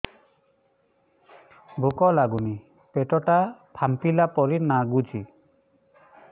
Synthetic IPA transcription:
bʱukɔlaɡuni | pɛʈɔʈapʰampilapɔɾinaɡud͡ʒi

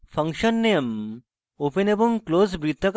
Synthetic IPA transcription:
fɐ̃ŋkɕənːem | openebuŋkloːzbɾit̪ʰːɐk

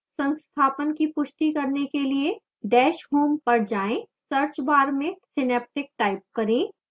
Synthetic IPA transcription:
sə̃nst̪ʰaːpənkipʊʃʈikɐɾnekelie | ɖɛːʃɦuːmpɐɾd͡ʒaːẽ | səɾt͡ʃbaːɾmẽsɪnɛːp̚ʈɪk̚ʈaːɪp̚kɐɾẽː

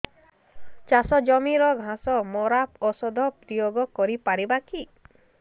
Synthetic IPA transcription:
t͡ʃasɔd͡ʒɔmiɾɔɡʱãsɔmɔɾapɔsɔd̪ʱɔp̚d̪ioɡɔkɔɾipaɾibaki

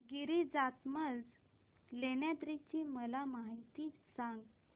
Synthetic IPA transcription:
ɡiɾid͡zat̪məd͡z | leɳjat̪ɾit͡ɕiməlamaɦijt̪isãŋɡ

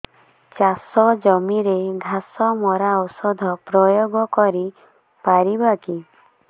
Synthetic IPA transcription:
t͡ʃasɔd͡ʒɔmiɾeɡʱasɔmɔɾaɔsɔd̪ʱɔpɾɔjoɡɔkɔɾi | paɾibaki

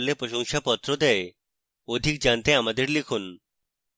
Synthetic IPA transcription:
lːepɾoʃɔŋʃapɔt̪ːɾod̪ɛe | od̪ʱik̚d͡ʑant̪eamad̪eɾlikʰun

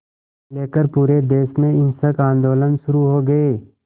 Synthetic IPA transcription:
leːkəɾpuːɾed̪eːsmẽɪnsəkãːnd̪oːlənʃʊɾuɦoːɡɐeː

